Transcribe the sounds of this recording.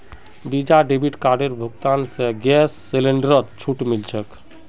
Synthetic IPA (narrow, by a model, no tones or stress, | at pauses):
bid͡ʒaɖebʱiʈkaɾɖeɾbʱəɡt̪anseɡɛsːeleɳɖəɾət̪t͡ʃʰuʈmilt͡ʃʰək